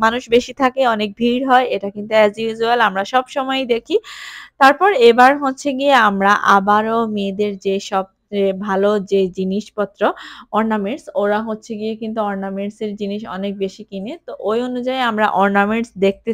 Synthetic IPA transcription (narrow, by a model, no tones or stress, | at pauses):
manuʃbeʃit̪ʰakeɔnek̚bʱiɾɦɔeeʈakint̪uɛzibʱid͡ʑualamɾaʃɔbʃɔmɔed̪ekʰit̪aɾpɔɾebaɾɦotːɕʰeɡieamɾaʔabaɾomed̪eɾd͡ʑeʃɔb̚ | ebʱalod͡ʑed͡ʑiniʃpɔt̪ːɾoɔɾnameɳʈsoɾaɦotːɕʰeɡiekint̪̬uɔɾnameɳʈseɾd͡ʑiniʃɔ̰nek̚beʃikinet̪oʔojonud͡ʑajamɾa̰ʔɔɾnameɳʈsd̪ek̚ʰt̪e